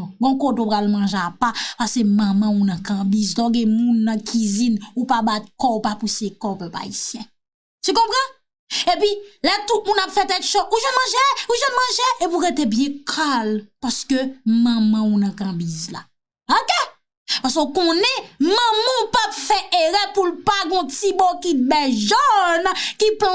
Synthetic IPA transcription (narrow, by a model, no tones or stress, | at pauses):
ɡɔ̃kot̪opalmɐ̃ʒeapapasemɐ̃mɐ̃unɐ̃kɐ̃bizd̪ɔ̃oɡɛ̃mũnːɐ̃kʰizinupabat̪̚kɔupapusekɔpœpa̰isjɛ̃ | tykɔ̃pʁã | epɥilɛt̪ut̪̚mũnapfɛt̪ɛlkʃɔuʒɛnmɐ̃ʒeuʒɛnmɐ̃ʒeepuɣetebjɛ̃kʰalpaskømɐ̃mɐ̃ũnɐ̃kãbizla̰ | oke | pas̬ookɔ̃nɛmɐ̃mũpapfɛʔeɣɛpulpaɡɔ̃tibɔkit̚bɛʒɔnkiplɔ̃